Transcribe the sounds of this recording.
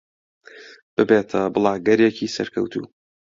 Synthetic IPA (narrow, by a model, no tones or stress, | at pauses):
b̥ɨbeːt̪ʰɐbɨlˠaːɡɐɾjekʰisɐ̰ɾkʰɐ̰wt̪ʰṵː